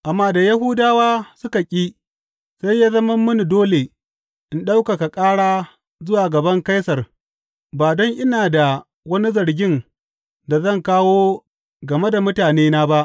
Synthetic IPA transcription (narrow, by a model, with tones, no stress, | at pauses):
ʔa˨mːaː˦da˨ja˦ɦʊ˦daː˦waː˦sʊ˦ka˨kʲʼiː˦ | sa˦jːaː˦zɐ˦mɐ˦mːʊ˦ni˨doː˦le˨ | ʔɪ˨nɗa˦wka˨ka˨kʼaː˦ɽaː˦ | zʊ˦waː˨ɡɐ˨bɐ˦ŋka˦jsɐ˨r | baː˨dɔ˦ŋʔɪ˦naː˨da˨ | wɐ˦ni˦zɐ˨ɽɡʲɪ˦n | da˨zɐ˦˨ŋkaː˦woː˦ | ɡɐ˨me˦da˨mʊ˦taː˨neː˦naː˦ba˦ʔ